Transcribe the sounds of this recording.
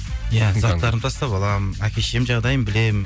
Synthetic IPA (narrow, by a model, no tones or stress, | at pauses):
jæzɑt̪ɑɾənt̪ʰɑst̪ɑpɑlˠɑmənækʲʰe̞ʃe̞mʒɑʁd̪ɑjəmbɪle̞mɪ